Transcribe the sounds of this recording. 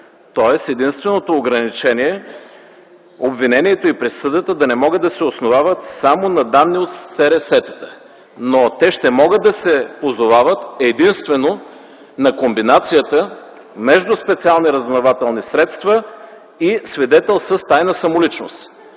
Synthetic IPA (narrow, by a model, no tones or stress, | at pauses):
t̪ɔɛsɛd̪inst̪vɛnot̪oːɡɾɐnit͡ʃɛniɛ | obvinɛniɛt̪oipɾɛsəd̪ət̪əd̪ɐnɛmɔɡəd̪ːɐsɛosnovavət̪samonɐd̪anːiot̪sɛɾɛsɛt̪ə̥t̪ə | not̪ɛʃt̪ɛmɔɡəd̪ːɐsɛpozovavət̪ɛd̪inst̪vɛno | nɐkombinat̪sijət̪ə | mɛʒd̪ʊspɛt̪sialˠniɾəzvnovat̪ɛlˠnisɾɛt̪st̪və | isvid̪ɛt̪ɛlˠsəst̪ajnɐsɐmolit͡ʃnost̪